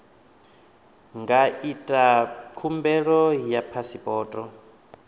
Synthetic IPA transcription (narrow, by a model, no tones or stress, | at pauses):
ŋɡaitʼakʰumbɛɺɔjapʰasipʼɔːtʼɔ